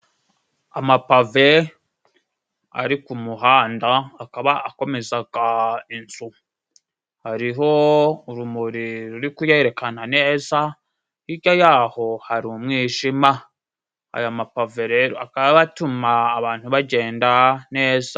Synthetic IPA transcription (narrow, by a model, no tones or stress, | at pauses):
amapave̞ | a̰ɾikumuɦaːndaːkaβaːko̞me̞zaɡainzu | haɾiɦo̞uɾumuɾiɾuɾikujeɾe̞kanane̞ːza | iɟojaːho̞haɾumŋiːʃima | a̰jamapave̞ɾe̞ːɾoakaβaβatumaːβaːn̥huβaɟe̞ːndane̞ːza